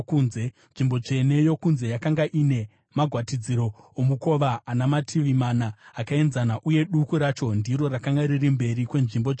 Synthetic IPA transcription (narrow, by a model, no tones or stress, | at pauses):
kuːnze | nʐimbo̞t͡ʂe̞ne̞jo̞kunze̞jakaŋɡaʔine̞ | maɡʱwatid͡ziɾo̞omuko̞ʋaːnamatʰiʋimanaːkae̞nzanaʔuje̞ɗukuɾat͡ʃo̞ndiɾo̞rakaŋɡaɾirimbe̞rikwe̞nʐimboe